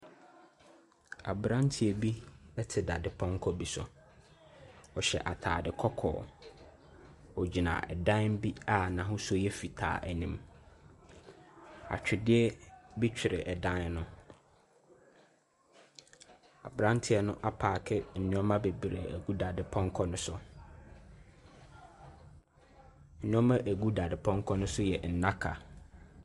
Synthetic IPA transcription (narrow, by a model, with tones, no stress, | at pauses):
a̰˨bɾã˦ntʰɪ˨ɛ˨bi˦ɛ˦tʰɪ˨da˨dɪ˦pʰɔ̃˦ŋ˦kʰɔ˦bi˨sɔ̰˨ | ɔ˨ɕɛ̰˨ʔa˨tʰa̰ː˨dɪ˨kʰɔ˦kʰɔ̰ː˨ | ɔ˨d͡ʑi˨nã̰˨ɛ̰˨dã˦n˦bi˦a˦nã˨ɦʊ̃˦sɔ˦jɛ˦fi˨tʰa̰ː˨ʔæ˨nĩ˦m | a̰˨t͡ɕᶣɪ˨dɪ˦ɛ˦bi˦t͡ɕᶣʰɪ˨ɾɪ˨ʔɛ˨dã˦nnʊ̃˦ | a̰˨bɾã˦n˦tʰɪ˦ɛ˨nʊ̃˦ʔa˦pʰaː˨kʰɛ˦n̩˨nʊ̃˦ɔ˦mã˦be˨bi˨ɾɪ̰˨æ˨ɡu˦da˨dɪ˨pʰɔ̃˦ŋ˦kʰɔ˦nʊ̃˦sʊ˦ | n̩˨nʊ̃˦ɔ˦mã˦ʔæ˨ɡu˦da˨dɪ˨pʰɔ̃˦ŋkʰɔ˦nʊ̃˦sʊ˦jɛ˨n̩˨nã˦kʰa̰˨